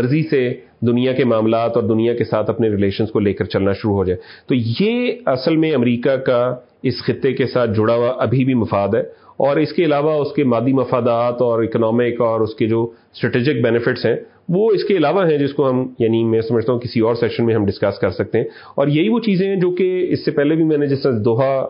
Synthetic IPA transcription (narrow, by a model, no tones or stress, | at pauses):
ɐɾzise | d̪ʊnijakemaːmlaːt̪ɔːɾd̪ʊnijakesaːt̪ʰɐpneɾɪleːʃə̃nskoleːkəɾt͡ʃɐlnaʃʊɾuɦod͡ʒaːet̪ojeɐsəlmẽɐmɾiːkaka | ɪsxɪt̪ːekesaːt̪̚ʰd͡ʒʊɽaʋaʔɐbʱibʱimɐfaːd̪ɦɛːɔːɾɪskeɪlaːʋaʊskemaːd̪ːimɐfaːd̪aːt̪ɔːɾɪknɔːmɪkɔːɾʊsked͡ʒoːsʈɾɛʈiːd͡ʒɪk̚bɛnɪfɪʈsɦɛ̃ | ʋoɪskeɪlaːʋaɦɛ̃d͡ʒɪskoɦɐmjaːnimɛ̃ːsɐməd͡ʒʱt̪aɦũkɪsiɔːɾsɛkʃənmẽɦɐmɖɪskɐskɐɾsɐk̚t̪eɦɛ̃ | ɔːɾjɐɦiʋot͡ʃiːzẽɦɛ̃d͡ʒoːkeɪsːepɛɦlebʱimɛ̃ːnẽd͡ʒɪsɾasd̪ʊːɦa